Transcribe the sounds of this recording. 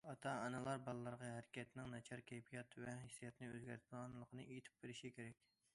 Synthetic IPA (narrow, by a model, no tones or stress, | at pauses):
ɑt̪ʰɑːnɨlˠɑɾbɑlˠlːˠɑɾʁɑɦæɾɪkʲɛt̪ʰɪnɪŋnɛt͡ʃʰɑɾkʲʰɛjpʰijɑt̪vɛhesijɑt̪nɨø̰zɡʲæɾt̪̚ʰɑnlˠəqʰənɨʔejt̪ʰɪ̥p̚beɾɪʃikʲʰeɾɛkʲ